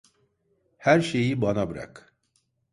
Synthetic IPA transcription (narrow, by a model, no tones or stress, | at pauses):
hæɾʃe̞jibanabɯɾa̰k